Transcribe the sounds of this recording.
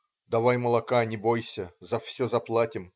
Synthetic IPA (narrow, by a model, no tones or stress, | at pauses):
d̪ɐvajməlˠɐkanʲɪbojsʲəzɐfsʲɵzɐplˠatʲɪm